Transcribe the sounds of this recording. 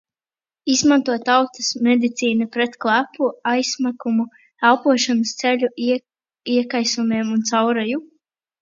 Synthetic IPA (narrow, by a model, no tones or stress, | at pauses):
izmant̪uɔtt̪ːawt̪ɐ̥smɛd̪it̪siːnapɾɛt̪klˠæpʰuajsmakumu | alˠpuɔʃanast̪sɛlʲu | iɛkajsɔmiɛmunt̪sawɾaju